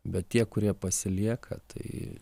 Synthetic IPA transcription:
bʲɛt̪tʲiɛkʊɾʲiɛpɐsʲɪlʲiɛkʰɐ̰t̪ʰɐɪ

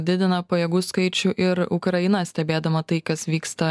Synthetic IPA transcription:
d̪ʲɪd̪ʲɪnɐpɐjɛɡuːskɐɪt͡ʃʲʊʔɪɾʊkɾɐjɪnɐsʲt̪ʲɛbʲeːd̪ɐmɐt̪ɐɪkɐsʋʲiːkst̪ɐ

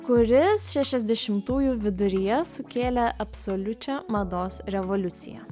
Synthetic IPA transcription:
kʊɾʲɪsʃʲɛʃʲɛzʲd̪ʲɛʃʲɪmt̪uːjuʋʲɪd̪ʊɾʲijɛsʊkʲeːlʲɛʔɐpsɔlʲʊt͡ʃʲɛmɐd̪oːsɾʲɛʋɔlʲʊt̪sʲɪ̰jæ̰

